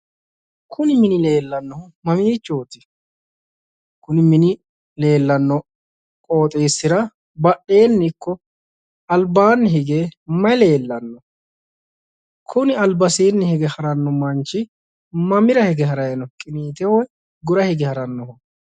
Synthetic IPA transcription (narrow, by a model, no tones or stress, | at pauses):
kʰʊnɪmɪnɪle̞ːlːɐnːɔhʊmɐmiːt͡ʃːoːt̪ɪ̥ | kʊnɪmɪnɪ | le̞ːlːɐnːɔ | kʼoːt̪ʼeːsːɪɾɐ | bɐɗe̞ːnːɪkːɔ | ɐlbaːnːɪɦɪɡeːmɐjle̞ːlːɐnːɔ | kʰʊnɪɐlbɐseːnːɪhɪɡɛhɐɾɐnːɔmɐnt͡ʃːɪ | mɐmɪɾɐhɛɡɛɦɐɾɐjɐnɔkʼɪniːt̪ɛwɔj | ɡʊɾɐhɪɡɛhɐɾɐnːɔhʊ